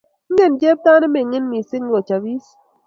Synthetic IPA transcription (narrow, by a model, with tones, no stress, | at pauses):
n̩˦ɡe˦˨nd͡ʒe˦p̚ta˦ne˦me˨ŋe˦nmi˨si˦ŋ˦ɡo˨t͡ʃa˨bi˦s